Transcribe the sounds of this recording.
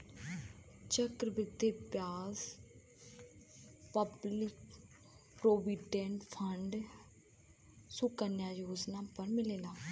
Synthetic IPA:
t͡ʃəkɾəbɪt̪ːeːpjaːz | pəblɪk | pɾoːbiɖẽɳʈpʰəɳɖ | sʊkənjaːjoːd͡ʒnaːpəɾmɪleːlaː

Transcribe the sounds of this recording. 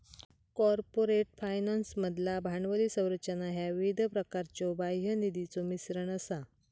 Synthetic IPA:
kɔɾpoɾeʈfajnansməd̪ʱlabʱaɳʋəliːsə̃w̃ɾət͡ɕənaɦjaʋid̪ʱpɾəkaɾt͡ɕɔbajɦənid̪it͡somisɾəɳəsa

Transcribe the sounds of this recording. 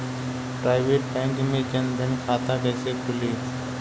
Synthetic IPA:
pɾaːɪʋeːʈʈɛ̃ːŋkmẽːkənd̪ʱənkʰaːt̪ãːkəːseːkʰʊleː

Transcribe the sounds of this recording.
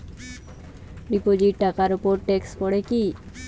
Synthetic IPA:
bipod͡ʑiʈʈakaɾupoɾʈekspɔɽeki

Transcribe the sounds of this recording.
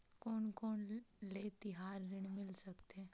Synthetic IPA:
koːnkoːnleːt̪ɪɦaːɾːɪɳ̃mɪlsəkt̪eɛː

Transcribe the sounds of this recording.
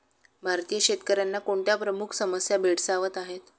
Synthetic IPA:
bʱaɾt̪ijəɕet̪kəɾjanːakoɳʈjapɾəmukʰsəməsjabʱeɽsaʋət̪aɦet̪

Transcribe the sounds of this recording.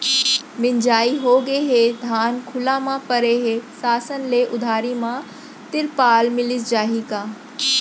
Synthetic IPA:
mɪɲd͡ʒaːiɦoːɡeɦeːd̪ʱaːnkʰʊlamãpɐɾeːɦesaːsənleʔʊd̪ʱaːɾimã | t̪ɪɾpaːlmɪlɪs̬d͡ʒaːɦikaː

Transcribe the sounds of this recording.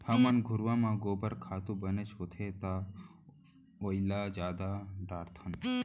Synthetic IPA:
hɐmɐnɡʱʊɾʋãːmãːɡoːbəɾkʰaːt̪ũːbɐnet͡ʃɦoːt̪ʰet̪a | oilaːzaːd̪aɖaːɾt̪ʰɐn

